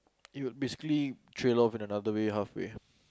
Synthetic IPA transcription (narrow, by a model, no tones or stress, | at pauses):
iwʊd̚besi̥kəlitʰɹelɔfĩnənad̪əweɦafwḛ